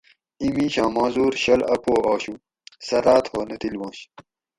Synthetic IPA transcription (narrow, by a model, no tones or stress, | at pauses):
imĩːɕãːmãːzuːɾɕɐlɐpoːʔoːɕu | sɐɾaːt̪hoːnɐt̪ilwõːɕ